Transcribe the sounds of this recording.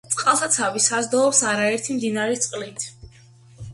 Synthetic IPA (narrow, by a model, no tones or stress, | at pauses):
t̪sʼqʼalˠt̪ʰat̪sʰavisazd̪ɔɔpsaɾaɛɾt̪ʰimd̪inaɾɛt̪sʼqʼlit̪ʰ